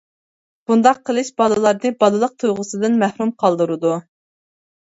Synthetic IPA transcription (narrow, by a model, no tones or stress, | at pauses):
b̥und̪ɑqʰːəlˠɨʃbɑlɨlˠɑɾnɨbɑd̪ɨlˠəq̚t̪ʰujʁʊsɨd̪ɨnmæhɾumqʰɑlˠd̪ɨɾɨd̪u